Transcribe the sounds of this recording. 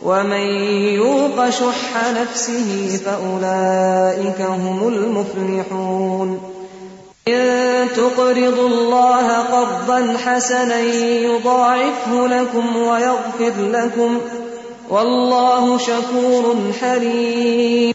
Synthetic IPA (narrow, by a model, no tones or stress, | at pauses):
wʔamanjuːqɑʃʊħːanafsɪɦɪfaʔʊlaːʔɪkaɦʊmʊlmʊflɪħuːn | ʔɪðt̪ʊqɾɪd̪ˤʊlːɑːɦaqɑɾˤd̪ˤɑnħasananjʊd̪ˤɑːʕɪfhʊlakʊmwajaɣfɪɾlakʊm | wʔɑlːɑːhʊʃakuːɾˤʊnħaɾiːmm